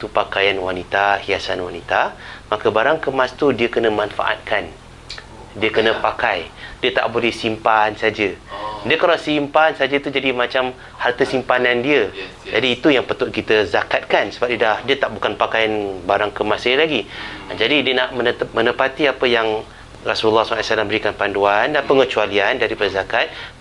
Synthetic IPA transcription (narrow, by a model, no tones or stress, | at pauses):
t̪upakajanwanit̪ahiasanwanit̪amakəbaɾaŋkəmast̪udiəkənə̃manfa̰ʔa̰t̪̚kʰan | diəkənə̃pakajdiət̪a̰ʔbolɛhsimpansad͡ʒədiəkalawsimpansad͡ʒət̪ud͡ʒadimat͡ʃam | hart̪əsimpanandiə | d͡ʒadiːt̪ujaŋpət̪ʊt̪̚kit̪əzakat̪̚kansəbap̚diədahdiət̪aʔbukanpakajanbaɾaŋkəmasɪhlaɡḭd͡ʒadidiənaʔmənət̪ap̚mə̃nə̃pat̪iapəjaŋ | rasuləlːɑhslajsalambəɾikanpanduandanpəŋət͡ʃualiandaɾipadazakat̪̚